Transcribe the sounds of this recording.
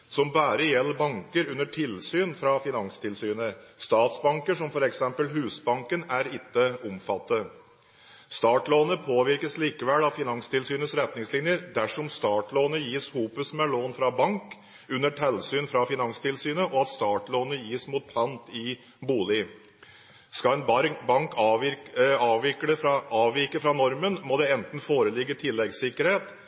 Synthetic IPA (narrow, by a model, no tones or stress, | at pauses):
sɔmbæːɾəjɛlːəɾbɑŋkəɾʉnːəʈʰɪlsyːnfɾɑfɪnɑŋst̪ʰɪlsyːnəst̪ɑːt̪sbɑŋkəʂɔmfɔɾɛksɛmpəlɦʉːsbɑŋkənæɾɪt̪ːəʊmfɑt̪ːə | st̪ɑːʈloːnəpʰoːʋɪɾkəsliːkəʋɛlɑfɪnɑŋst̪ʰɪlsyːnəsɾɛt̪nɪŋslɪnjəɾd̪æʂɔmst̪ɑːʈloːnəjiːshuːpʉsmɛloːnfɾɑbɑŋk | ʉnːəʈʰɛlsyːnfɾɑfɪnɑŋst̪ʰɪlsyːnəʔɔɑt̪st̪ɑːʈloːnəjiːsmuːt̪̚pʰɑnt̪ɪ | buːlɪ | skɑɛnbbɑŋkʰ | ɑːʋʋɪkəɛɾɑːʋʋɪkəfɾɑnɔɾmənmɔd̪ɛɛnt̪n̩foːɾəlɪɡːət̪ʰɪlːɛɡsɪkəɾheːt̪